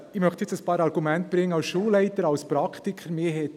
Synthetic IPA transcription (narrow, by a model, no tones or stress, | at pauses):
ɪmœχtjɛt͡səspɑːɾɑɾɡ̥umɛntb̥ɾɪŋːəɑʊsʃuːlːɛɪtəɾɑʊspɾɑkʰt̪ikʰχəɾmeːɦɛt